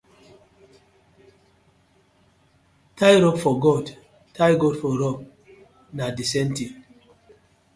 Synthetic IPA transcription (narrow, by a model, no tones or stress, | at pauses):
tʰajɾɔpfɔɡɔd | tʰajɡɔdfɔɾɔp̚ | nadisɛ̃nti